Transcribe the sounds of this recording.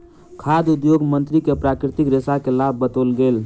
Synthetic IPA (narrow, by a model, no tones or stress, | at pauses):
kʰad̪ud̪joɡmənt̪ɾikepɾakɾit̪ikɾesakelabʱːət̪olɡel